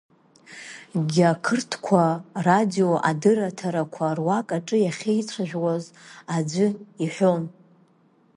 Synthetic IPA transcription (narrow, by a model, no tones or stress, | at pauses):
ɡʲakʰɨrtʰkʷʰaradioʔadɨɾatʰaɾakʷʰarwakʼaʈ͡ʂʼɨjaχʲejt͡sʷʰaʒᶣwazad͡ʒʷʏiħʷᶣon